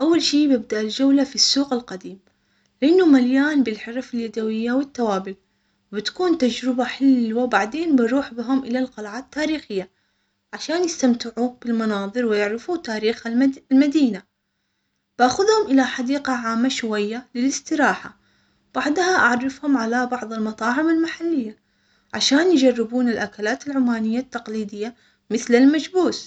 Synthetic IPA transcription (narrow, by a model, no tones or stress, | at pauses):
ʔawːalʃiːbɪb̚d̪aʔɪld͡ʒawlafisːuːqɪlqad̪iːm | lɪʔɪnːʊmaljaːnbɪlħɪɾˤɑfɪljad̪awɪjːawɪt̪ːawaːbɪl | wbɪt̪kuːnt̪ad͡ʒɾɪbaħɪlːwabaʕd̪eːnbɪɾˤuːħbɪɦʊmʔɪlalqɑlʕaːt̪t̪ːaːɾiːxɪjːa | ʕaʃaːnjɪst̪amt̪ɪʕub̥ɪlmɑnɑːðˤɨɾwɪjɪʕɾɪfut̪aːɾiːxalmad̪iːna | b̥ʔaxʊðhʊmʔɪlaħad̪iːqaʕaːmːaʃwajːalɪlɪst̪ɪɾɑːħa̰ | b̥aʕd̪ˤhaʔaʕrˤːɪfhʊmʕalabɑʕðˤɪlmɑt̪ˤɑːʕɪmalmaħalːɪjːa | ʕaʃaːnjd͡ʒarːɪbuːnɪlʔakalaːt̪ɪlʕʊmːaːnɪjːat̪ːɑqliːd̪ɪjːa | mɪθlɪlmad͡ʒbuːs